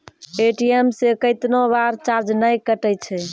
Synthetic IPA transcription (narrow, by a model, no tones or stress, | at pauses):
eʈiemsekəɪt̪nobaɾt͡ʃaɾd͡ʒnəjkəʈəjt͡ʃʰɛ